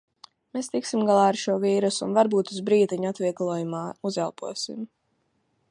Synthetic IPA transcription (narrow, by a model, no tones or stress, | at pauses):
mest̪iksimɡalˠaːaɾʃuɔviːɾusṵnvaɾbuːt̪uzbɾiːt̪aɲat̪viɛɡlˠuɔjumaːuzalˠpuɔsḭm